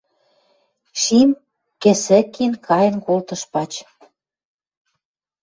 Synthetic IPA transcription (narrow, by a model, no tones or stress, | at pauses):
ʃim | kĕsɘ̆kːinkʰɑjə̆nkolt̪ɤ̆ʃpɑt͡ɕ